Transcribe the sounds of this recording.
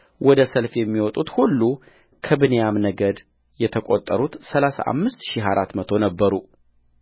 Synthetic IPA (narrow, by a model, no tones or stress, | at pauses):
wʔɔd̪əsəlfjɛmːiwɔt̪ʼut̪hulːu | kʰɨbɨnejamnəɡəd̪ | jɛt̪ʰəkʼot̪ʼːəɾut̪səlasa̰ʔa̰mːɨst̪ʃiɦaɾat̪mət̪ʰo̞nəbːəɾu